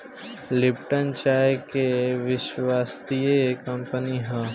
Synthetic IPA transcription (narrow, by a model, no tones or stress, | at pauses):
lɪpʈənt͡ʃaːekeʋɪʃʋaːst̪iekɐmpəniɦã